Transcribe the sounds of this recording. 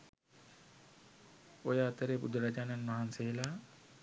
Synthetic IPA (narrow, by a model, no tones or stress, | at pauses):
ojaːt̪əɾeːpbud̪əɾad͡ʒaːnanʋaɦanselaː